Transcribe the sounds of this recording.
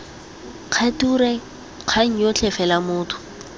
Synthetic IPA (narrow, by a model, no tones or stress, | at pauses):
q͡χʰatuːɾɛ | q͡χʰaŋ̩jot͡ɬʰɛfɛlamʊːtʰʊ̥